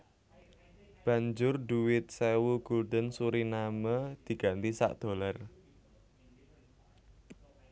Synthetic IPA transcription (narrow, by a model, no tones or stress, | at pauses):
b̥ä̤ɲd͡ʒʊrɖuwɪt̪̚sewuɡ̥uld̪ənsuɾinaməd̪̥i̤ɡ̥ä̤nt̪isa̰ʔd̪̥o̤lar